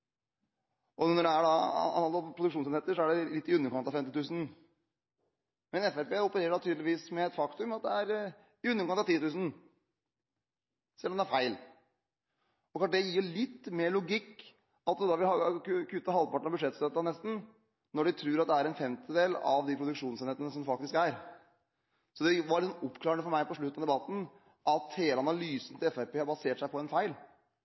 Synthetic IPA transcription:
ʔɔnɔɖɛæɖɑɑ̰nɑlɔpʰɾʊd̪ʉkʂuːnsɛneːt̪ːəʂɔæɖɛlɪt̪ːɪʉnːəɾkʰɑnt̪ɑʋfɛmt̪ɪt̪ʰʉːsn | mɛnɛfæɾpeːʊpəɾeːɾəɖɑt̪ʰyːd̪lɪʋiːsmɛɛt̪fɑkt̪ʉmɑt̪̚d̪ɛæɾ | ɪʉnːəɾkɑnɑt̪iːt̪ʉːsn̩ | sɛlːɔmd̪ɛæɾfæɪl | ɔkʰɑɖ̪ɛjiːɭɪt̪ːmeːɭʊɡɪkː | ɑt̪̚d̪d̪ɑʋɪlɑkkʰʉt̪ːəɦɑlpɑʈːɳ̩ɑbʉd̪ʂɛt̪st̪øt̪ːɑnɛst̪n̩ | nɔɖɛt̪ʰɾʉːɾɑt̪̚d̪ɛæɾɛnfɛmt̪ʰɪd̪eːlɑ̰ʋd̪ɪpʰɾʊd̪ʉkʂuːnseːnheːt̪ənəsɔmfɑkt̪ɪskæɾ | sɔd̪ɛʋɑɾɭɪt̪sɔnɔpːkʰlɑːɾəɳəfɔɾmæɪpʰɔʂɭʉt̪ːnɑd̪ɛbɑt̪ːn̩ | ʔɑt̪heːləɑnɑlyːsən̩t̪ʰɪlɛfæɾpeːhɑɾbɑseːʈʂæɪpʰɔɛnfæɪl

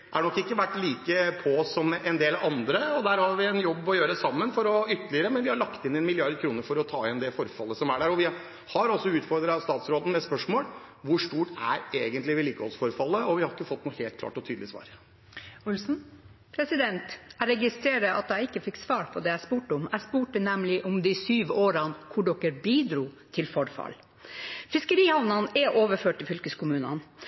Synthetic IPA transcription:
ʔæɛnɔkːɪkːəʋæʈːliːkəpʰɔɔsːɔmɛnd̪eːlɑnd̪ɾəɔd̪æːɾhɑɾʋɪɛnjɔbːɔjøːɾəsɑmːənfɔɾɔʏt̪ːəlɪəɾəmɛnʋɪhɑɭɑkt̪ɪnːɛnmɪlɪɑɾd̪kʰɾuːnəɾfɔɾɔt̪ʰɑːɪnd̪ɛfɔɾfɑlːəsɔmæɖæɾɔʋɪ | hɑɾɔsːɔʉːt̪fɔɾd̪ɾɑst̪ɑːt̪sɾoːd̪n̩mɛspœʂmoːlʋʊʂʈuːʈæɾeːɡənt̪lɪʋɪliːkəhɔlsfɔɾfɑlːəɔʋɪhɑɾɪkːəfɔt̪ːnuːheːl̚kʰlɑ̰ːʈɔt̪ʰyːd̪lɪəsʋɑ̰ːɾ | ʊlsn̩ | pʰɾɛsɪd̪ɛnt̪æɾɛɡɪst̪ɾeːɾəʔɑ̰t̪̚d̪æɪɪkːəfɪkːsʋɑːɾpʰɔd̪ɛæspuːʈəʊmæspuːʈənɛmlɪʔɔmd̪ɪsyːʋoːɾɑnkʰʊɖɔkːəɾbiːd̪ɾuːt̪ʰɪlfɔɾfɑ̰l | fɪskəɾiːhɑʋnɑnɛʔoːʋəɾføːʈːɪlfʏlkəskʊmʉːnə̰n

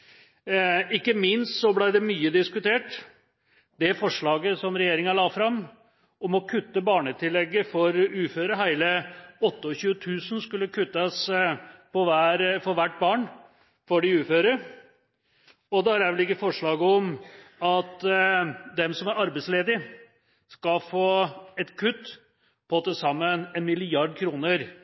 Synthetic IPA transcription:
ɪkːəmɪnst̪sɔblæɪd̪ɛmyːəd̪ɪskʉt̪eːʈ | d̪ɛæɾfɔʂɭɑːɡəsɔmɾɛjeːɾɪŋɑlɑːfɾɑm | ɔmɔkʰʉt̪ːəbɑːɳət̪ʰɪlːɛɡːəfɔɾʉːføːɾəɦæɪləɔt̪ːəɔɕʉːət̪ʰʉːsənskʉlːəkʰʉt̪ːɑs | pʰɔʋæɾfɔɾʋæʈːbɑːɳ | fɔɖɪʉːføːɾə | ɔd̪ɛhɑɾjæʋɛlɪkːəfɔʂɭɑːɡəɔmɑt̪ | d̪ɛmsɔmæɾɑɾbɛɪsleːd̪ɪ | skɑfoːɛt̪kʰʉt̪ː | pʰɔt̪əsɑmːənɛnmɪlɪjɑɖkʰɾuːnəɾ

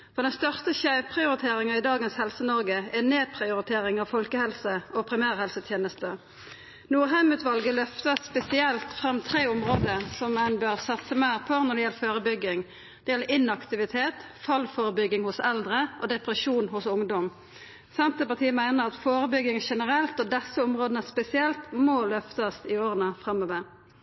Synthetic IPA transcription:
fɔʁd̪ɛnst̪œʁst̪əçæɪpʰʁɪʊɾɪt̪ʰeːʁɪŋɑɪd̪ɑːɡənshɛlsənɔʁɡəɛneːpʰʁɪʊɾɪt̪ʰeːʁɪŋɑʋfɔlkəhɛlsəɔpʰɾɪmæːʁhɛlsət̪ʰjeːnəst̪ə | nuːʁɦæmʉːt̪ʋɑlɡəlœft̪əspɛsɪɛlt̪fʁɑmːt̪ʰʁeːʊmʁoːd̪əsɔmænbøʁsɑt̪səmæɪʁpʰoːnɔd̪ɛjɛləføːʁəbʏɡːɪŋ | d̪̥ɛjɛlːəɾɪnɑkt̪ɪʋɪt̪ʰeːt̪ | fɑlfoːʁəbʏɡɪŋhʊsɛld̪ʁəʔɔd̪ɛpɾəʂuːnhʊsʊŋd̪ɔm | sɛnt̪əpɑt̪ʰiːəmæɪnəʁɑt̪foːʁəbʏɡɪŋʃɛnəɾɛlt̪ɔd̪ɛsːəɔmʁoːd̪ənəspɛsɪɛlt̪molœft̪ɑsɪoːʁənəfʁɑmːɔːʋəɾ

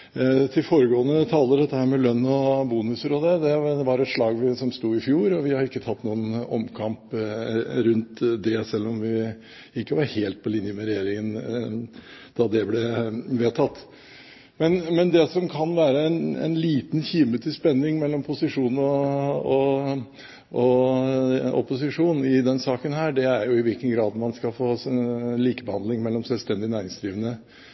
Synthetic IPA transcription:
t̪ʰɪlfoːɾəɡoːənət̪ʰɑːləd̪ɛt̪ːəhæːɾmɛlœnːɔbuːnʉsəɾɔd̪ɛd̪ɛʋɑɾɛt̪ʂɭɑːɡʋɪsɔmst̪uːɪfjuːɾɔʋɪhɑɾɪkːət̪ʰɑt̪ːnuːənɔmkʰɑmp | ɾʉnt̪d̪ɛsɛlːɔmʋɪ | ɪkːəʋɑɾheːlt̪̚pʰɔlɪnjəmɛɾɛjeːɾɪŋən | d̪̥ɑd̪ɛblɛʋeːt̪ʰɑt̪ː | mɛnmɛnd̪ɛsɔmkʰɑnʋæːɾəɛnɛ̰nliːt̪nçiːmət̪ʰɪspɛnːɪŋmɛlːɔmpʰʊsɪʂuːnɔɔ | ʔɔ | ɔ̰pʊsɪʂuːnɪd̪ɛnsɑːkənhæːɖɛæɾjʊɪʋɪlkənɡɾɑːd̪mɑnskɑfoːliːkəbəhɑnd̪lɪŋmɛlːɔmsɛlst̪ɛnd̪ɪnæːɾɪŋsd̪ɾiːʋənə

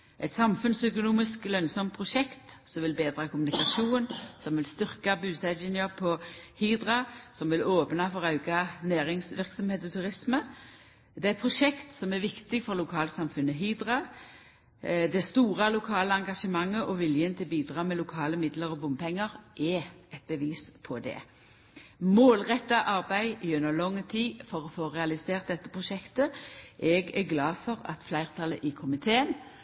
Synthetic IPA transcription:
ʔɛt̪sɑmfʉnsœkʊnuːmɪsklœnsɔmt̪̚pʰʁʊʂɛkt̪sɔmʋɪlbeːd̪ʁɑkʰʊmʉnɪkɑʂuːnsɔmʋɪlst̪ʏʁkɑbʉːsæɛnəpʰɔhiːd̪ʁɑsɔmʋɪloːpnɑfɔʁɑʉɡɑnæːɾɪŋsʋɪʁksɔmheːt̪ɔt̪ʰʉʁɪsmə | d̪ɛɛt̪pʰʁʊʂɛkt̪sɔmæɾʋɪkt̪ɪɡfɔʁlʊkʰɑːləsɑmfʉnːəɦiːd̪ʁɑ | d̪ɛst̪uːʁɑlʊkʰɑːləɑŋɡɑʂəmɑŋːəʔɔʋɪljənt̪ʰɪlbiːd̪ʁɑːmɛlʊkʰɑːləmɪd̪ləʁɔbʊmpʰɛŋːəʁʔɛɛt̪̚bəʋiːspʰɔd̪ɛ̰ | moːlʁɛt̪ːɑʔɑʁbæɪɪʉnːəlɔŋːt̪ʰiːfɔʁɔfoːʁɛɑlɪseːʁt̪̚d̪ɛt̪ːəpʰʁʊʃɛkt̪əʔɛɡæɡlɑːfɔʁɑ̰t̪flæɪʁt̪ʰɑlə̰ʔɪkʰʊmɪt̪ʰeːən

